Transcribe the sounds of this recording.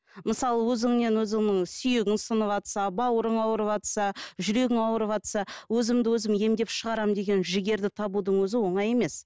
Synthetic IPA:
məsɑlˠəwɵzɪŋne̞nwɵzɪŋnɪŋsʏjeɡʲɪnsənəpɑt̪sɑbɑwəɾəɴɑwəɾəpɑt̪sɑʒʏɾe̞ɡʲɪŋɑwəɾəpɑt̪sɑwɵzɪmd̪ɪwɵzɪmje̞md̪e̞pʃəʁɑɾɑmd̪e̞ɡʲe̞nʒɪɡʲe̞ɾd̪ɪt̪ʰɑbud̪əɴwɵzɪwo̞ɴɑje̞me̞s

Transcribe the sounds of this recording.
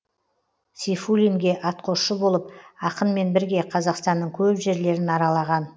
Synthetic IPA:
sifulʲiŋɡʲe̞ʔɑt̪qʰo̞sʃəbo̞lˠəp̚ɑqənme̞nbɪɾɡʲe̞qʰɑzɑqst̪ɑnːəɴkʲʰɵpʒe̞ɾle̞ɾɪnɑɾɑlˠɑʁɑn

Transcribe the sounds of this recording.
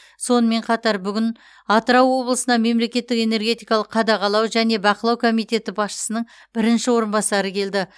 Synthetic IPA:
so̞nəme̞ɴqʰɑt̪ɑɾbʏɡʲɪn | ɑt̪əɾɑwːo̞blˠəsənɑme̞mle̞kʲe̞t̪ːɪke̞ne̞ɾɡʲe̞t̪ijkɑlˠəqʰːɑd̪ɑʁɑlˠɑwʒæne̞bɑqəlˠɑwkʰo̞mijt̪e̞t̪ɪbɑsʃə̥sənəɴ | b̥ɪɾɪnʃɪwo̞ɾənbɑsɑɾəkʲʰe̞ld̪ɪ

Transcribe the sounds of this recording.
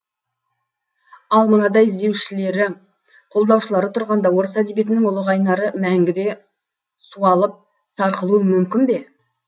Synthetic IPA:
ɑlˠmənɑd̪ɑjɪzd̪e̞wʃɪle̞ɾɪ | qʰo̞lˠd̪ɑwʃəlˠɑɾət̪ʰʊɾʁɑnd̪ɑwo̞ɾəsæd̪ebje̞t̪ɪnɪŋʊlˠəʁɑjnɑɾəmæŋɡʲɪd̪e̞ | suɑlˠəp̚ | sɑɾqəlˠuəmʏmkʲɪnbe̞

